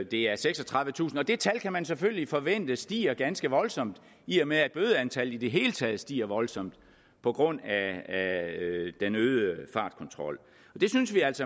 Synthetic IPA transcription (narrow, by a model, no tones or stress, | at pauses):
d̥e̝æɐseɡ̥sɒ̽t͡sʰʁɑ̈ðˠʋət͡sʰṵːsn̩ɒ̽d̥e̝t͡sʰælkʰæmænseføllifɒ̽ʋen̰d̥əsd̥ḭːɐɡ̥ænsɡ̥əʋɒ̽lsɒ̽m̰d̥ | iɒmeæd̥̚b̥øːðˠəænt͡sʰælid̥e̝ɦe̝ːlət͡sʰɛːð̩ˠsd̥ḭːɐʋɒ̽lsɒ̽m̰d̥ | pʰɒ̽ɡ̥ʁɔ̽n̰ææ | d̥enøːðˠəfɑ̈ːd̥kʰɒ̽nt͡sʰʁɒ̽l̰ | ɒd̥e̝synsʋiæl̰sɒ̽